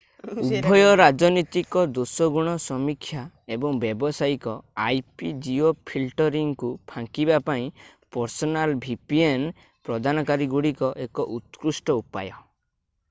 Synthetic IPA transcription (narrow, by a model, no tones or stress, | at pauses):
ubʱɔjɔɾad͡ʒɔnit̪ikɔd̪osɔɡuɽ̃ɔsɔmikʰːja | ebɔŋbjebɔsajikɔajpid͡ʒiopʰilʈɔɾiŋkupʰãŋkibapaĩpɔɾsɔnalbʱipien | pɾɔd̪ʱanɔkaɾiɡuɽikɔʔekɔʔut̪kɾusʈɔupa̰jɔ